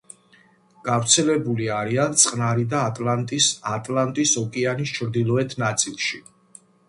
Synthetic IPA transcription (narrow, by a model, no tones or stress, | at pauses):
ɡ̥avɾt̪sʰɛlɛbuliaɾiant̪sʼqʼnaɾid̪aːt̪ʼlant̪ʼisat̪ʼlˠant̪ʼisɔkʼianist͡ʃʰɾd̪ilˠɔɛt̪ʰnat̪sʼilˠʃi